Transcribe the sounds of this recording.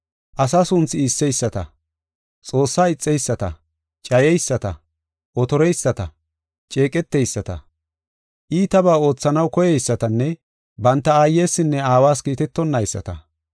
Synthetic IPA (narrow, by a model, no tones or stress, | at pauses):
ʔɐsaːsʊnt͡sɪisːɛjsːɐt̪ɐ̰ | t͡sʼo̞ːsːaːɪt͡sʼːɛjsːɐt̪ɐ̰ | t͡ʃʼɐjɛjsːɐt̪ɐ̰ | ʔɔt̪ɔɾɛjsːɐt̪ɐ | t͡ʃʼe̞ːkʼɛt̪ːɛjsːɐt̪ɐ̰ | ʔiːt̪ɐbaːo̞ːt͡sːɐnɐwkɔjɛjsːɐt̪ɐnːɛ | bɐnt̪ːɐaːjːeːsːɪnːɛaːwaːskiːt̪ɛt̪ːɔnːɐjsːɐ̰t̪ɐ